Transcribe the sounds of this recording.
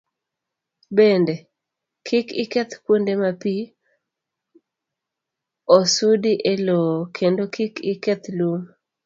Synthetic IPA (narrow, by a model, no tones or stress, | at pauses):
bende | kʰikɪkɛt̪kwondemapi | osudiʔelokʰendokɪkɪkɛt̪lum